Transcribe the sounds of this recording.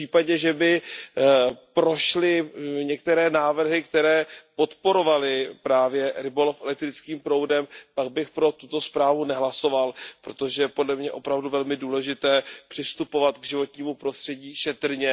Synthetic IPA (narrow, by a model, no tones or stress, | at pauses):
iːpaɟɛʒɛbɪ | pɾo̞ʃlɪɲɛk̚t̪ɛɾɛːnaːvr̩ɦɪkt̪ɛɾɛːpo̞t̪po̞ɾo̞valɪpɾaːvjɛɾɪbolofʔɛlɛk̚t̪ɾɪt͡skiːmpɾo̞wdɛmpaɡ̚bɪxpɾo̞t̪ut̪o̞spɾaːvunɛɦlaso̞valpɾo̞t̪o̞ʒɛɛpo̞dlɛmɲɛʔo̞pɾavduvɛlmɪduːlɛʒɪt̪ɛːpr̥ɪst̪upo̞vat̪ɡʒɪvo̞t̪ɲiːmupɾo̞st̪r̥ɛɟiːʃɛt̪r̩ɲɛ